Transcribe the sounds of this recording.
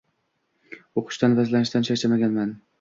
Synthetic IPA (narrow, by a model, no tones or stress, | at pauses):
oqʰʊ̥ʃt̪anvazlanɪʃd̪anʃʰat͡ʃʰamaɡʲanman